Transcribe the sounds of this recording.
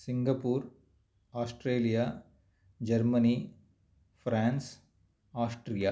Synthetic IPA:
sɪŋɡɐpuːɾ | aːsʈɾeːlijaː | d͡ʒɐɾmɐni | fɾaːns | aːsʈɾija

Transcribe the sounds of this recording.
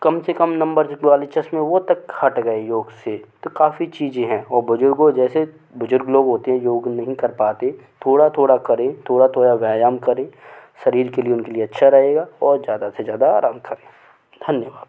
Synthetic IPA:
kɐmsekɐmnɐ̃mbəɾaːlet͡ʃʰɐsmẽʋot̪ɐkhɐʈɡɐejoːɡset̪okaːfit͡ʃiːzẽɦɛ̃ɔːɾbʊd͡ʒʊɾɡod͡ʒɛːse | bʊd͡ʒʊɾɡloːɡɦoːt̪eɦɛ̃joːɡnɐɦĩkɐɾpaːt̪et̪ʰoːɽat̪ʰoːɽakɐɾẽt̪ʰoːɽat̪ʰoːɽaʋaːjaːmkɐɾẽːʃɐɾiːɾkelieʊnkelieɐtːʃʰaɾɐɦeːɡaːɔːɾzjaːd̪asezjaːd̪aaːɾãːmkɐɾẽː | d̪ʱɐnjəʋaːd̪

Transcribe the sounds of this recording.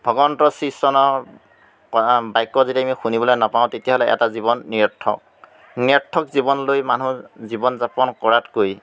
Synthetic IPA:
bʱɔɡɔntɔsisɔnɔ | bajkːɔzitiamixunibɔlojnapaʊ̃tetijaɦɔlɛʔɛ̰tazibɔnːiɔtʰːɔ̰k̚ | niɔtʰːɔkzibɔnlojmanuzibɔnzapɔnkɔɹatkoj

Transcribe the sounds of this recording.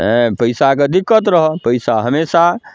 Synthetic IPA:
ẽpəɪsaked̪ikːət̪ɾəɦɔpəjsaɦəmesa

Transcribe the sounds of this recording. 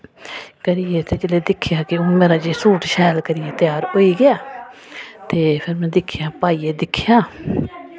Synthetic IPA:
kəɾijeːt̪eːd͡ʒɪleːd̪ɪkʰːɪjaːkɪõːmeːɾaːd͡ʒeːsuːʈʃɛːlkəɾɪjeːt̪ɪjaːɾɦoːiːɡɪjaː | t̪eːpʰɪɾmɛ̃ːd̪ɪkʰːɪjãːpaːiːeːd̪ɪkʰːɪjãː

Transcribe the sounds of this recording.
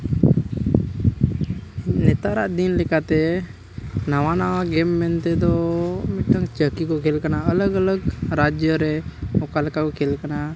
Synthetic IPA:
nɛt̪aɾaʔd̪inlɛkat̪ɛ | nawanawaɡɛmːɛnt̪ɛd̪ɔmɛʈaŋt͡ʃəkikɔkʰɛlkanaələɡələɡɾad͡ʒjəɾɛɔkalɛkakɔkʰɛlkana

